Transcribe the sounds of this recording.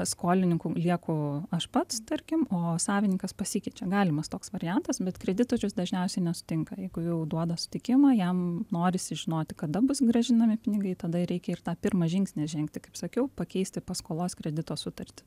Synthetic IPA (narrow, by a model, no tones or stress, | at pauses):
skoːlʲɪnʲɪŋkʊlʲiɛkʊɐʃpɐt̪st̪ɐrʲkʲɪmoːsɑːʋʲɪnʲɪŋkɐspɐsʲɪkʲɛɪt͡ʃʲɛɡɑːlʲɪmɐst̪oːksʋɐɾʲɪjɛnt̪ɐsbʲɛt̪kɾʲɛd̪ʲɪt̪oːt͡ʃʲʊsd̪ɐʒʲnʲɛʊsʲɛɪnʲɛsʊ̥t̪ʲɪŋkɐjɛɪɡʊjɛʊd̪uɔd̪ɐsʊ̥t̪ʲɪkʲɪmɑjɛmnoːɾʲɪsʲɪʒʲɪnoːt̪ʲɪkɐd̪ɐbʊsɡɾɐʒʲɪnɐmʲɪpʲɪnʲɪɡɐɪt̪ɐd̪ɐɾʲɛɪkʲɛɪrt̪ɑːpʲɪrmɑːʒʲɪŋksʲnʲɛʒʲɛŋkt̪ʲɪkɐɪpsɐkʲɛʊpɐkʲɛɪsʲt̪ʲɪpɐskoːlˠoːskɾʲɛd̪ʲɪt̪oːsʊt̪ɐrʲt̪ʲɪ̥